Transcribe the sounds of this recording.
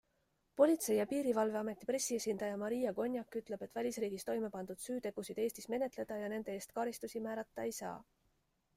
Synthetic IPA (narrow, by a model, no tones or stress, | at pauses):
po̞lʲit̪se̞jɑpiːɾivɑlve̞ɑme̞t̪ːˑipre̞sːie̞sʲind̪̥ɑjɑmɑɾijɑɡo̞nʲjɑkːˑyt̪ˑle̞b̥e̞t̪vælʲisriːɡ̥ist̪o̞jme̞pɑnd̪ud̪̥syːt̪e̞ɡ̥usid̪e̞ːst̪isme̞ne̞t̪le̞d̪̥ɑjɑne̞nd̪̥e̞eːst̪kɑɾist̪usimæːɾɑt̪ːɑe̞jsɑ̰ː